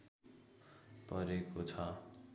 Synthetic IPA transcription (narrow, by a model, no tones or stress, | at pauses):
pʌɾekot͡sʰʌ